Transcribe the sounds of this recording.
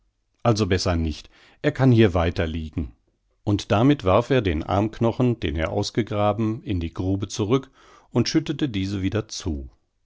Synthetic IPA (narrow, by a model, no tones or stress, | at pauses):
ʔalzobɛsɐnɪçt | ʔeːɐkʰanhiːɐvaɪtɐliːɡŋ̩ | ʔʊntd̥amɪtv̥aɐfeːɐdeːnʔa̰ɐmknɔχn̩d̥ḛːneːɐʔa̰ʊsɡ̥əɡʁaːbm̩ɪndiːɡʁuːbət͡suʁʏk | ʊntʃʏtətədiːzəviːdɐt͡suː